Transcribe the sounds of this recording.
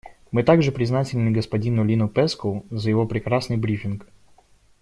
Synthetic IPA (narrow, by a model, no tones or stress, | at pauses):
mɨt̪aɡʐɨpɾʲɪznatʲɪlʲnɨɡəspɐdʲinʊlʲinʊpɛskəzəjɪvo̞pɾʲɪkɾasnɨjbɾʲifʲɪnk